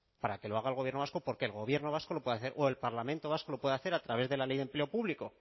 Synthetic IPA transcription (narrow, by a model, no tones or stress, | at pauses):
paɾake̞lo̞aɣaelɣo̞βjeɾnoasko̞po̞ɾke̞ːlɣo̞β̞je̞ɾnoβasko̞lo̞pwe̞ðaθe̞ɾʔo̞e̞lpaɾlamẽnt̪o̞βasko̞lo̞pweðaθe̞ɾat̪ɾaβe̞zðe̞lale̞jðe̞mpleo̞puβliko̞